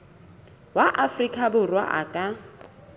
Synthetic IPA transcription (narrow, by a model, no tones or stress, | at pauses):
waʔafrikʼabʊrwa̰ʔa̰kʼa